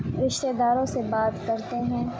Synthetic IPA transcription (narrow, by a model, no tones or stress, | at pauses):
ɾɪʃt̪ed̪aːɾõsebaːt̪kɐɾt̪eɦɛ̃ː